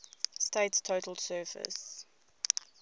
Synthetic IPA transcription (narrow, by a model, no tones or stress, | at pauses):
steɪtstʰoːtəl̩ˠsɜːfə̰s